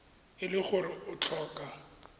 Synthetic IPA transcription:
ɪlɪɣʊrɪʊt͡ɬʰɔːkʼa

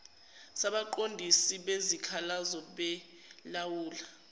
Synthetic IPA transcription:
saɓaǃondʱisiɓezikʰalazɔɓɛ | lawuːla

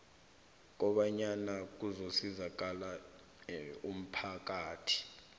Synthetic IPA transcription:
k̬ʼɔɓaɲanak̬uzosizak̬ʼala | um̩pʰak̬ʼaːtʰi̥

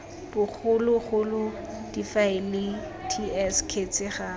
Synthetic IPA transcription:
b̥ʊk͡xʰʊlʊɣʊlʊ | d̥ifaɪnɪ | tʰiɛskʰet͡sɪχa

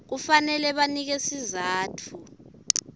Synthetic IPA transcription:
k̬ufanɛlɛɓanik̬esizaːtʰu

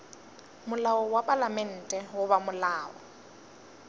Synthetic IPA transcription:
mʊlaɔwapʼalamɛn̩ːtʼɛwʊβamʊlaːɔ̰

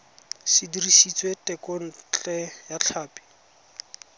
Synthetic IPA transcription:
sɪdirisit͡swetɛkɔn̩t͡ɬʼɛjat͡ɬʰaːpi̥

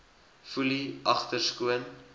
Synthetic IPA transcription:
fuliʔɐχtərskuən

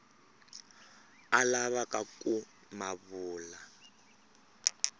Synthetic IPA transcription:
alaβakakʼu | maβuːla

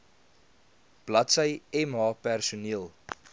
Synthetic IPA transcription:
b̥lɐtsəjɛmɦɑːpærsuniəlˠ

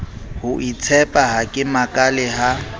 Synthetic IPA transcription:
hʊʔit͡sʰɛpʼaɦakʼɪmakʼalɛɦa

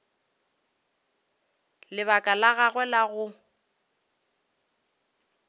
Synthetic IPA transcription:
lɪβakʼalaɣaɣwɛlaɣʊ

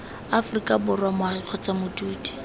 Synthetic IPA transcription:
afrikʼabʊrwamahɪq͡χʰɔt͡samʊduːdi̥

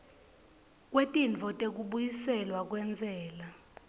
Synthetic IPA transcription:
k̬ʼwetʼint͡fɔtʼek̬uɓujisɛlwak̬ʼwɛnd͡zʱɛːla

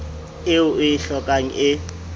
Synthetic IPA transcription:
ɪʊʔɪɪɬɔkʼaŋ̩ʔɪ

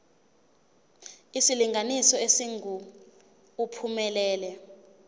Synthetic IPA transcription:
isiliŋɡʱanisɔesiŋuː | pʰumɛlɛːlɛ

